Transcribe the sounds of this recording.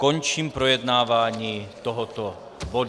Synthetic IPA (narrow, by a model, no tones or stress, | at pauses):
kɔɲt͡ʃiːmpɾɔjɛd̪naːʋaɲiːt̪ɔɦɔt̪ɔ | bɔd̪